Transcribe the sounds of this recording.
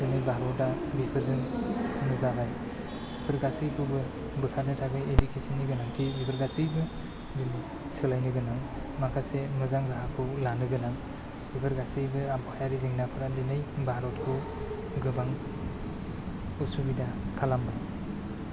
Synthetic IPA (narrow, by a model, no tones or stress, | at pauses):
dɯmijbaɦɾɔda | bipʰɯɾzɯŋnɯzabaj | bipʰɯɾɡasijkʰubɯ | bɯkʰat̚nɯtʰaɡɯjedikʰesanːiɡɯnaŋtʰibipʰɯɾɡasijbɯ | zimi | sɯlajnɯɡɯnaŋ | makʰasemɯzaŋzaɦakʰulanɯɡɯnaŋ | bipʰɯɾɡasijbɯabɔajaɾiziŋnapʰɯɾadinɯjbaɾɔt̚kʰu | ɡɯbaŋ | usubidakʰalambaj